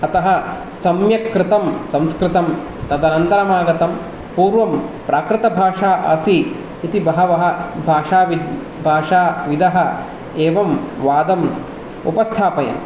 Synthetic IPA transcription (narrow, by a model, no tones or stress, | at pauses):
ɐt̪ɐɦɐ | sɐmjɐkɾɪt̪ɐmsɐ̃mskɾɪt̪ɐm | t̪ɐd̪ɐnɐnt̪ɐɾɐmaːɡɐt̪ɐm | puːɾʋɐmpɾaːkɾɪt̪ɐbʱaːʂaːʔɐ̰siː | t̪ibɐɦɐʋɐɦɐ̆bʱaːʂaːʋi | bʱaːʂaːʋid̪ɐɦɐ | eːʋɐmʋaːd̪ɐm | ṵpɐst̪ʰaːpɐjɐ̰m